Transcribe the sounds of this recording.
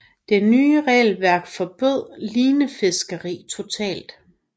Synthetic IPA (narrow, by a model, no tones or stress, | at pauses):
d̥e̝nyːʁɛːlʋæɐ̰ɡ̥fɒ̽b̥øð̰ˠliːnəfe̝sɡ̥əʁḭːt͡sʰo̝t͡sʰɛ̰ːld̥